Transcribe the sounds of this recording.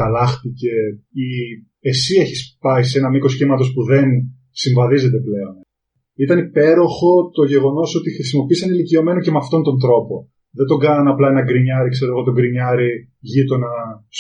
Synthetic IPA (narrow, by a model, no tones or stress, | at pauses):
ɐlɐxt̪ice̞i | esie̞çispɐise̞nɐmiko̞sçimɐt̪o̞spuðe̞n | siɱvɐðize̞t̪̬e̞ple̞o̞n | it̪ɐnipe̞ɾo̞xo̞t̪oʝe̞ɣo̞no̞so̞t̪ixɾisimo̞piisɐnilicio̞me̞noce̞meɐft̪o̞nt̪o̞nd̪ɾo̞po̞ | ðe̞nd̪o̞ɡɐnɐnɐplɐe̞nɐɡɾiɲɐɾikse̞ɾoɣo̞t̪o̞ɡɾiɲɐɾi | ʝit̪o̞nɐs